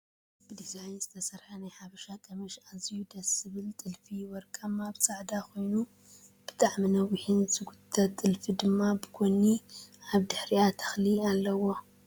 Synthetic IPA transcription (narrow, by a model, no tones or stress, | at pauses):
b̥ɨd̪izajnzɨt̪ʰɐsɐɾħɐnajħaβɐʃakʼɐmɐʃazjud̪ɐsɨβɨlt̪ʼɨlfiwɔɾkʼɐmabsʼaʕd̪akʰo̞jnu | b̥ɨt̪ʼaʕminɐwihinzɨɡut̪ʰːɐt̪ʼːɨlfid̪ɨmːabɨkʰoniʕaβd̪ɨħɾiat̪ʰɐ̥xlialːɐwo